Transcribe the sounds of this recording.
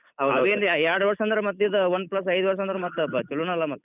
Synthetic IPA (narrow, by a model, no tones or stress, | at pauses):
ɦɐwd̪ɐʋeːnd̪ajaːɽuʋɐɾsɐnd̪ɾɐmɐt̪ːjid̪ɐʋɐnːplɐs̬ɐjd̪uʋɐɾs̬ɐnd̪ɾɐmɐt̪ːut͡ʃɐlːunɐlːamɐt̪ːu